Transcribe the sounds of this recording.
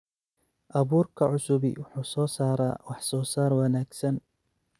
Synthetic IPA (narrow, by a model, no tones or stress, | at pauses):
ʔɐβuːrkʰɐʕʊsʊbɪ̰wʊħuːsɔːsaːɾa̰ːwɑħsɔːsaːrwɑnaːɡsɐn